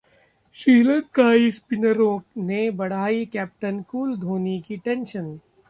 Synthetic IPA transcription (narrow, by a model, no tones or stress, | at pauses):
ʃiːləkaːispɪnəɾõnebɐɽ̤aːikɛːp̚ʈənkuːld̪ʱoːnikiʈẽnʃən